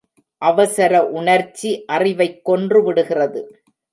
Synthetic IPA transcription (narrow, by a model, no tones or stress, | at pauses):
ʔɐʋɐsɐɾɐʔʊɳɐɾt͡ʃːiʔɐrɪʋɐɪkːɔndrɯʋɪɽɯɣɪrɐðɯ